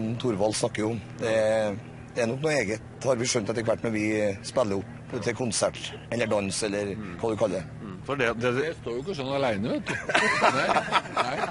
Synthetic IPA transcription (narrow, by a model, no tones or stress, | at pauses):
t̪ʰʊɾʋɑlːsnɑkːəɾjʊʊmd̪ɛ | d̪ɛɛɾnɔknuːeːɡət̪hɑɾʋɪʂœnt̪ɑt̪ːɛɪkʰəʋæʈːmɛʋɪspɛlːəʊpːɾt̪ʰɪkʰʊnsæʈ | ɛlːəɖɑnsɛlːəɾkʰɑːd̪ʉkʰɑlːəd̪ɛ | fɔɖɛd̪ɛst̪oːjʊɪkːəsɔnɑlæɪnəʋeːt̪